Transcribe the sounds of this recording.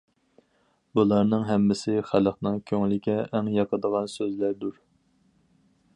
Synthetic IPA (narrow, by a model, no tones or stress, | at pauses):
bulˠɑɾnɨŋɦɛmːɪsɪχæləχnɨŋkʲʰøŋlɪkʲɛʔːŋjɑqəd̪əʁɑnsøzlæɾd̪uɾ